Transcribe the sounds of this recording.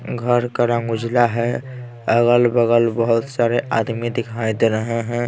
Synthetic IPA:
ɡʱəɾkəɾãɡʊd͡ʒlaɦɛ | əɡəlbəɡəlbəɦʊt̪saɾeʔa̰d̪mid̪ikɦaɪt̪ɾəɦɛ̃ɦɛ̃

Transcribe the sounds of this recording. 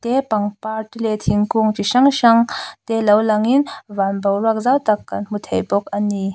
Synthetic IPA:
t̪epaŋpaɾtulet̪ʰiŋkuŋtiʃaŋʃaŋt̪elɐwlaŋinvanbowɾak̚zawt̪akːanm̥utʰejbɔk̚ani

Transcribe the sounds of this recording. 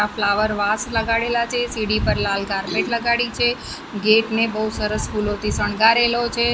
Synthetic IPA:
aflaʋəɾʋasləɡaɽelat͡ʃʰesiɽipəɾlalɡaɾbeʈləɡaɽit͡ʃʰe | ɡeʈnebəusəɾəsfulot̪ʰisəɳ̃ɡaɾelot͡ʃʰe

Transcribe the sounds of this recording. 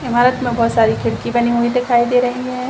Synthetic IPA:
ɪmaːɾət̪mẽbɔːt̪saːɾikʰɪɽkibɐniɦuid̪ɪkʰaːid̪eːɾɐɦiɦɛ̃ː

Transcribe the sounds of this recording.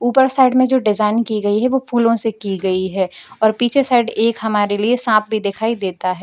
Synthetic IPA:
uːpəɾsaːɪɖmẽd͡ʒoːɖɪzaːɪnkiɡɐiɦɛʋopʰuːlõsekiɡɐiɦɛːɔːɾpiːt͡ʃʰesaːɪɖeːkɦɐmaːɾeliesãːp̚ʰbʱid̪ɪkʰaːid̪eːt̪aɦɛː

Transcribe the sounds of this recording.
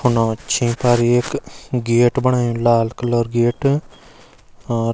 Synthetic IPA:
hʊnõt͡ʃʰĩːpaːɾieːkɡeːʈbəɽ̃aːjũlaːlkəloːɾɡeːʈ

